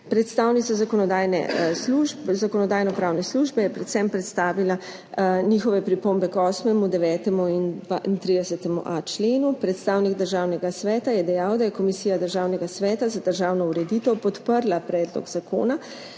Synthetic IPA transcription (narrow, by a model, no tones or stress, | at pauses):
pɾɛt̪st̪aːwnit̪sazakɔnɔd̪aːjnɛ̰sluʒbzakɔnɔd̪aːjnɔpɾaːwnɛsluʒbɛjɛpɾɛt̪sɛmpɾɛt̪st̪aːʋila | nixɔʋɛpɾipombɛkɔːsmɛmud̪ɛʋɛːt̪ɛmuinant̪ɾid̪ɛsɛt̪ɛmṵʔat͡ʃleːnupɾɛt̪st̪aːwniɡd̪əɾʒaːwnɛɡasʋɛːt̪ajɛd̪ɛjawd̪ajɛkomisiːjad̪əɾʒaːwnɛɡasʋɛːt̪azad̪əɾʒaːwnɔuɾɛd̪it̪ɛwpɔt̪pəɾlapɾɛːd̪lɔ̰ɡzakʰo̰ːna